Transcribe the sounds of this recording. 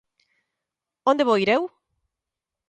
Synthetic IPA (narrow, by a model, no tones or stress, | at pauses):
õnd̪eβoiɾew